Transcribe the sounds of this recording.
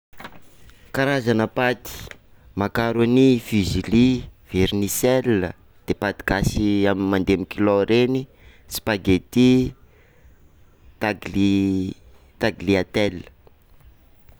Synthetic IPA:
kaɾazanəpat̪i̥ | makaɾanifiziliv̥eɾnisɛlːə | d̪̥epat̪i̥ɡasiamimand̪emikiloɾʔeni | si̥paɡet̪i | t̪aɡi | t̪aɡliat̪ɛlːə̥

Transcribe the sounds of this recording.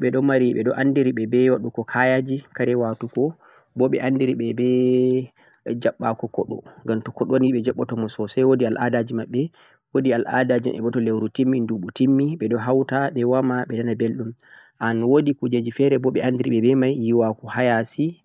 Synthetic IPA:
ɓɛɗɔmaɾiɓɛɗɔʔandiɾiɓɛbɛwaɗukɔkʰajad͡ʒikaɾɛwatukɔ | bɔɓɛ̰ʔandiɾiɓɛbɛ | d͡ʒaɓːakɔkɔɗɔŋɡamtɔkɔɗoniɓɛd͡ʒaɓːɔtɔmɔsɔsɛjwodialʔadad͡ʒimaɓːɛ | wodialʔa̰dad͡ʒḭmʔɛ̰bɔtɔlewɾutimːinduɓutimːiɓɛɗɔɦawtaɓɛwamaɓɛdanabelɗum | ʔanwodikud͡ʒad͡ʒifɛɾɛbɔɓɛʔandiɾiɓɛbɛmajjiwakɔhajasi

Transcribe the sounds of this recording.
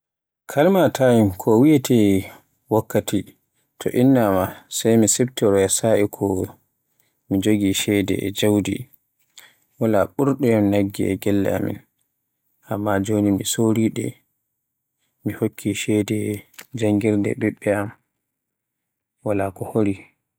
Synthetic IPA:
kʰalmatʰajimkʰɔwiatʰɛ | wakːati | tʰɔ̰ʔinːamasajmisɛb̚tɛɾɔjasaʔikʰɔ | mid͡ʒoɡiʃɛdɛ̰ɛ̰d͡ʒawdḭ | walaɓuɾɗɛaminaɡːḭɛ̰ɡɛlːɛ̰a̰mḭn | ʔamːad͡ʒonimisoɾiɗɛ̰ | mihokʰːiʃɛdɛd͡ʒaŋɡiɾdɛ̰ɓɛɓːɛam | walakɔhoɾi

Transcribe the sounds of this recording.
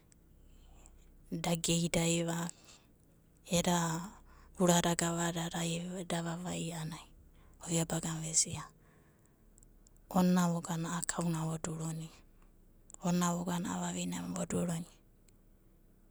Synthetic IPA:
daɡejdaiβa | eɾa | uɾaɾaɡaβaɾaɾadaβaβaianaiojabaɡaβɛsia | ɔnaβoɡanaːkʰaunaβɔduɾoni | onaβɔɡanaa̰βaβinaβɔduɾɔni

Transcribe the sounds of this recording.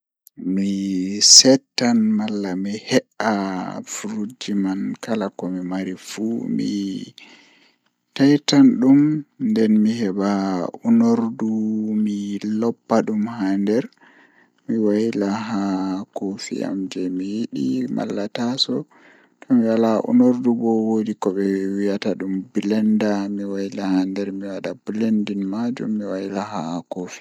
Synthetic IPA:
misɛtːanmalːamihɛʔafuɾud͡ʒimankalakɔmimaɾifumḭ | tajtanɗumndɛnmihɛbaunoɾdumilɔpːaɗumhandɛɾ | miwajilaɦakofḭa̰md͡ʒɛmijiɗima̰lːatasɔ | tɔmiwalaʔṵnoɾdubɔwodikɔɓɛwijataɗumbilɛndamiwajilahandɛɾmiwaɗabulendinmad͡ʒṵmːiwajilaɦakofi̥

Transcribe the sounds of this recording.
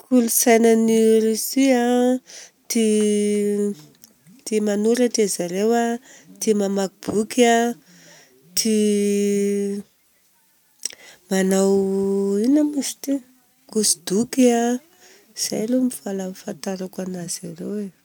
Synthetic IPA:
kʰulusajnaniɾisia | t̪i | t̪imanuɾaʈ͡ʂezaɾewat̪imamakub̥uka | t̪ʰi | manawinəmisi̥t̪i | kusid̪ukia | iz̥a̰jlomifalamifant̪aɾakanaz̥aɾewe

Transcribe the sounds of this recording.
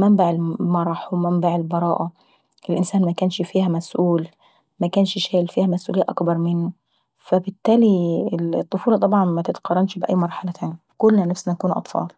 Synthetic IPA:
mæmbaʕɪlmɑɾˤɑħwmæmbaʕɪlbɑɾˤɑːʔæ | ʔɪlʔɪnsæːnmækæːnʃfiːhæmæsʔuːl | mækæːnʃʃæːlfiːhæmæsʔṵlɪjːæʔɑkbɑɾˤmɪnːʊ | fæbɪt̪ːæːlit̪ˤːofuːlɑt̪ˤɑbʕɑnmæt̪ɪt̪qɑrˤːɑnʃbɪʔæ̰jːmɑɾˤħalæt̪ʰæːni | kʊlːnænæfsnænækuːnʔɑ̰t̪ˤfɑ̰ːl

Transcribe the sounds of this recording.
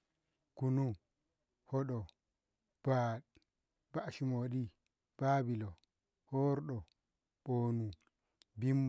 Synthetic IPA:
kunu | hɔɗɔ | b̥a | b̥aʔʃimoɗi | b̥abilɔ | hɔɾɗɔ | ɓoːnu | bim

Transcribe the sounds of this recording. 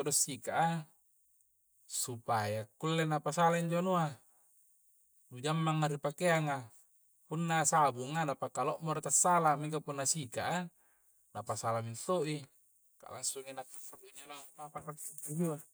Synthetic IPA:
odosːikaʔa | supajakulːenapasalaiɲd͡ʒonoa | dud͡ʒamːaŋːaɾipakeaŋa | punːasabuŋanapakaloʔmoɾit̪asːalamik̬apunːasika̰ʔa | napasalamint̪oʔi | ka̰lasuŋinakːaaduiɲonapaparakːit̪id͡ʒua

